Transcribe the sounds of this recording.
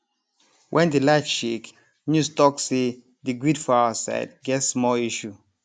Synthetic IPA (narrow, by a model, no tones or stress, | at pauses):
wʔɛ̃ndilaɪfʃek | nustɔksse | diɡɹidfaaasa̰ɪd̚ɡɛtsmɔliʃu